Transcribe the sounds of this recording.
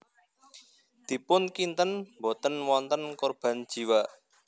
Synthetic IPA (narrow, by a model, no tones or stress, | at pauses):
d̪̥i̤pʊnkint̪ənmbɔ̤t̪ənwɔnt̪ənkɔrb̥a̤n̥ʒ̥i̤wa